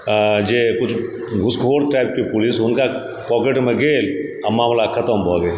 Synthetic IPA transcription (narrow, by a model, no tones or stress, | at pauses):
d͡ʒekʊt͡ʃʰ | ɡʱʊskʰoːɾʈɾajb̚kipʊlisɦʊnka | pɔːkeʈmẽɡeːlamaːmlakʰət̪əmbʱɔːɡ̪e